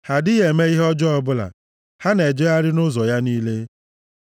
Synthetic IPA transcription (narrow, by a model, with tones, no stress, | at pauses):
ha˨dɪ˦ɣe˨me˦i˦ɦɔ˦d͡ʒɔ˦ɔ˨bʊ˦la̰˨ | ha˦ne˨d͡ʒɔ˦ja˦ɾɪ˦nʊ˦zɔ˨ja˦niː˦le˦